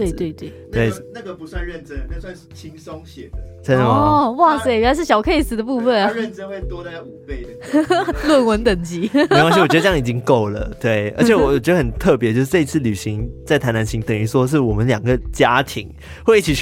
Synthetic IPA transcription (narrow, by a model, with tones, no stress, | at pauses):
t̪we˥˩ɪt̪we˥˩ɪt̪we˥˩ɪt̪we˥˩na˥˩ɡə˨pu˨˦swa˥˧nɻə˥˨˩nʈ͡ʂə˦n˧swa˥˧n̩˥˩t͡ɕʰi˦ŋso˥˦ŋɕjɛ˨˩də˦ʂə˥nd̪ə˨ma˨wa˥˩se˥˩ɪjɥɛ˨˩la˧˦ʂ̬ɻ̩˥˩ɕjɑ˨˩ʊkʰɤ˥˩ɪ˨˩s̩˨˩d̪ə˧pu˥˧fə˨n˨˩ə˥˧nʈ͡ʂə˥nxwe˥˩ɪt̪wɔ˥d̪a˧u˨˩pe˥˩ɪ | lwə˥˩nwə˧˥nt̪ə˨˩ŋt͡ɕi˧˥˧wwɔ˨˩˧ŋi˨˩t͡ɕi˦ŋko˥˩ʊlə̰˩t̪we˥˩ɪʔə̰˧˥t͡ɕʰɛ˨˩wɔ˧˦wɔ˨˩t͡ɕɥɛ˧˥d̪ə˧xə˨˩nt̪ʰɤ˥˩pjɛ˧˦t͡ɕjo˥˧ʊʂ̬ɻ̩˥˩ʈ͡ʂɤ˥˧i˥t͡sʰɹ̩˥˩ly˨˩ɕi˧˦ŋt͡sa˥˩ɪtʰa˧˥ɪna˧˦nɕi˧˥ŋt̪ə˨˩ŋy˧˥ʂwɔ˥ʂ̬ɻ̩˥˩wɔ˨˩mə˦nljɑ˨˩ŋɡə˦t͡ɕja˥t̪ʰi˧˥ŋ | xwe˥˧ɪi˥˩t͡ɕʰi˨˩